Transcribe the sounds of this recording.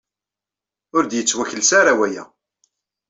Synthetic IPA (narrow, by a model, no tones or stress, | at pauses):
ʊɾd̪jət͡sːwæçəlsaɾawæjæ̰